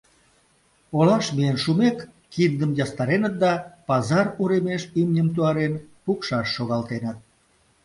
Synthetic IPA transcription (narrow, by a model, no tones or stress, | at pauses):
olɑʃmienʃumekː | ind̪əmjɑst̪ɑɾenət̪̚d̪ɑpɑzɑruɾemeʃimnʲəmt̪̬uɑɾenpukʃɑʃːoɣɑlt̪enət̪̚